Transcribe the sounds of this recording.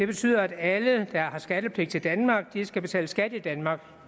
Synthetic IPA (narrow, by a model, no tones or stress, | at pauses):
d̥e̝b̥e̝t͡sʰy̰ːð̰ˠɐæd̥æləd̥ɑ̈hɑ̈sɡ̥æɾ̥əpʰle̝ɡ̥̚t͡sʰe̝ld̥ænmɑ̈ːɡ̥̚d̥isɡ̥æb̥e̝t͡sʰɛ̰ːləsɡ̥æd̥id̥ænmɑ̈ːɡ̥